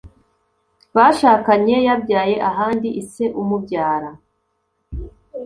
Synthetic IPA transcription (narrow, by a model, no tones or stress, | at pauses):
βaʃaːkaɲe̞jabɟaːje̞ʔaɦaːndiʔise̞ʔumubɟaːɾa